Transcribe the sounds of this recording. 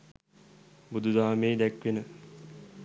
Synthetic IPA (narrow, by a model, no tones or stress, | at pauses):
bud̪ʱud̪aɦameːd̪ækʋenə